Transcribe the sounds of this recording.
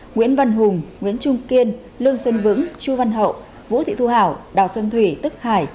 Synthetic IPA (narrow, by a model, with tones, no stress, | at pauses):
ŋwḭ˧˥ənva˧nɦʊ˨˩ŋ͡mŋwḭ˧˥ənt͡ɕʊ˧ŋ͡mki˧ən | lɨ˧əŋswə˧nvɨ̰˧˥ŋt͡ɕu˧va˧nɦə̰˧˨w | vṵ˧˥t̪ʰḭ˧˨t̪ʰu˧ha̰ː˧˩˨wɗaː˨˩wswə˧nt̪ʰwi˧˩t̪ɨ˦˥k̚haː˧˩j